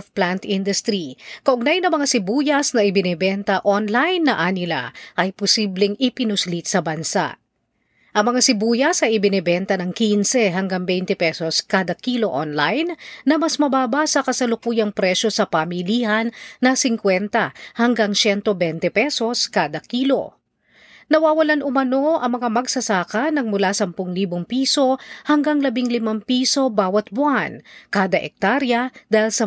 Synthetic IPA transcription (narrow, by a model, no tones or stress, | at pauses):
fplant̪ʔind̪ʊst̪ɾikɐʔʊɡ̚najnɐŋmɐŋasɪbuːjɐsnɐʔɪbɪnɛbɛnt̪ɐʔonlajnːɐʔanɪla̰ʔɐjposiblɛŋɪpɪnʊslit̪̚sɐbɐnsa̰ʔ | ʔɐŋmɐŋasɪbuːjɐsɐjɪbɪnɛbɛnt̪ɐnɐŋkinsɛɦɐŋɡaŋbɛjnt̪ɛpɛso̞skaːd̪ɐkilo̞ʔonlajnːɐmɐsmɐbaːbɐsɐkɐsɐlʊkuːjɐŋpɾɛʃo̞sɐpɐmilihɐnːɐsɪŋkwɛnt̪ɐhɐŋɡaŋsɛnt̪obɛnt̪ɛpɛso̞skaːd̪ɐkiːlo̞̰ | nɐwaːwɐlanʔʊmɐno̞ʔɐŋmɐŋamɐɡsɐsaːkɐnɐŋmʊlasɐmpʊŋliːboŋpiːso̞hɐŋɡaŋlɐbiŋlɪmampiːso̞baːwɐt̪̚bʊʔankaːd̪ɐʔɛk̚t̪aɾjɐd̪aːhilsɐ